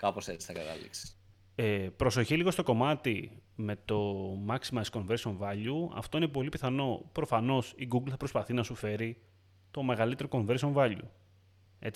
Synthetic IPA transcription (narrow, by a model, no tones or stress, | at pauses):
kɐposet͡si̥sθɐkɐt̪ɐ̰lḭksi̥s | epɾo̞so̞çiliɣo̞st̪o̞ko̞mɐt̪ime̞t̪o̞mɐksimɐt̪isko̞ɱve̞ɾso̞ɱvɐʎuɐ̰ft̪o̞ine̞po̞lipiθɐno̞pɾo̞fɐno̞siɡuɡlθɐpɾospɐθinɐsufe̞ɾi | t̪o̞me̞ɣɐlit̪e̞ɾoko̞ɱve̞ɾsio̞ɱvɐʎṵ | e